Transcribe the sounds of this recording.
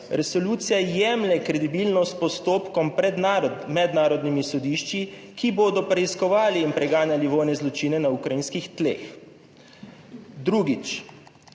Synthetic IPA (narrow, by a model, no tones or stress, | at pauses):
ɾɛsɔluːt̪sijajɛmlɛkɾɛd̪ibilnɔst̪̚pɔst̪oːpkɔmpɾɛd̪namɛd̪naːɾɔd̪nimisɔd̪iːʃt͡ʃikiboːd̪ɔpɾɛiskɔʋaːliːnpɾɛɡaːnjaliʋoːjnɛzlɔt͡ʃiːnɛnaukɾajinskixt̪lḛːx | d̪ɾuːɡit͡ʃ